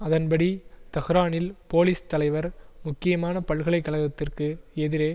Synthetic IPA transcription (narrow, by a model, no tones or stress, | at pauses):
ɐðɐnbɐɽit̪ɐɣɪɾaːnɪlpoːliːst̪ɐlɐɪʋɐɾmʊkːɪjɐmaːnɐpɐɭɣɐɭɐɪkːɐɭɐɣɐt̪ːɪrkɯɛðɪɾeː